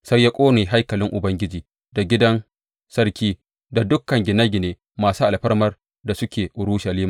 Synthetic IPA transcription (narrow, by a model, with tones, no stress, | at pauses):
sa˦jːa˦kʷʼoː˦neː˨ɦa˦jkɐ˨lɪ˦ŋʔʊ˨bɐ˦ŋɡʲɪ˦d͡ʒiː˨ | da˨ɡʲɪ˦dɐ˦n | sɐ˦ɾkʲiː˦ | da˨dʊ˦kːɐ˨ŋɡʲɪ˨nɐ˦ɡʲɪ˨neː˨˦ | maː˨suː˦ʔa˨lɸɐ˦ɽmɐ˦r | da˨sʊ˦kʲʰeː˨ʔʊ˨ɽu˦ʃɐ˨liː˦ma˨